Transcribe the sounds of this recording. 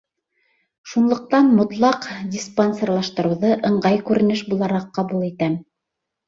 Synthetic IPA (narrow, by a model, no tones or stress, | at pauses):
ʃunlˠŏq̚t̪ɑnmŏt̪lˠɑqdʲisponʲsʲerlˠɑʃt̪ɤ̆ɾɤ̆wðɤʔɤ̆ɴɢɑjkʉɾɘ̆nɘʃbulˠɑɾɑqːɑβulˠit̪æm